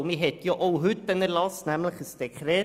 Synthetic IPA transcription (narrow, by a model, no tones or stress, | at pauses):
miɦɛt̪jɔʔowɦʉt̪ːənəɾlɑsnæmləχəsd̥ekχɾɛː